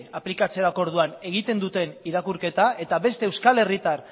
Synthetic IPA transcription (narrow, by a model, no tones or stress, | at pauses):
aplikat͡se̞ɾako̞ɾðuane̞ɣ̞it̪e̞nd̪ut̪e̞niɾakuɾke̞t̪aʔe̞t̪aβe̞st̪e̞ːwskale̞rit̪ar